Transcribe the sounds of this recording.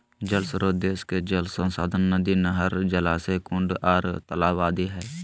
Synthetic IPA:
d͡ʒəlsɾod̪eːsked͡ʒəlsə̃nsaːd̪ʱənːəd̪inəɦəɾd͡ʒəlaːsekʊ̃ɳɖaːɾt̪əlaːwaːd̪iɦɛː

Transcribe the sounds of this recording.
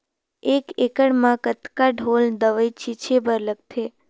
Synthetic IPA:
ekekəɽmãkət̪kaɖʱold̪əʋəjt͡ʃit͡ʃʰebəɾləɡ̚t̪ʰe

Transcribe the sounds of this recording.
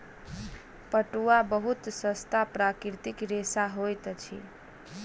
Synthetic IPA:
pəʈuabəɦut̪səst̪apɾakɾit̪ikɾesaɦojt̪t͡ʃʰḭ

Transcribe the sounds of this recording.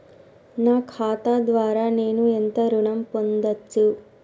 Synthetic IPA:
naːkʰaːt̪aːd̪ʋaːɾaːne̞ːnuent̪ɐɾuɳɐmpond̪ɐt͡ʃːu

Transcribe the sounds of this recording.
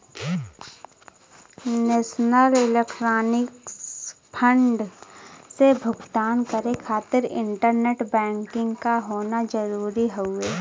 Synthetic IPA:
neːʃnəlɪlekʈɾaːnɪk | pʰə̃ɳɖ | sebʱʊɡt̪aːnkəɾekʰaːt̪ɪɾɪ̰̃ɳʈəɾneʈbɛ̃ːŋkɪ̃ŋɡkaɦoːnad͡ʒəɾuːɾiɦoeː

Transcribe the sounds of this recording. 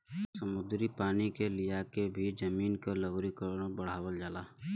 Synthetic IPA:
səmʊd̪ɾipaːnikelijakebʱid͡ʒɐmiːnkeləʋɾikəɾnbɐɽ̤aːwəld͡ʒaːlaː

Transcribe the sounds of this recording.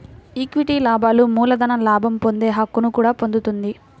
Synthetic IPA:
ikʋiʈiːlaːbaːlumuːlɐd̪ɐnɐlaːbʱɐmpo̞nd̪eːɦɐkːunukuːɽaːpo̞nd̪ut̪und̪i

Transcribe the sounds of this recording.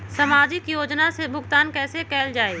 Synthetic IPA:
sɐmaːd͡ʒɪkjoːd͡ʒnasebʱʊɡt̪aːnkɛːsekɛːld͡ʒaːeː

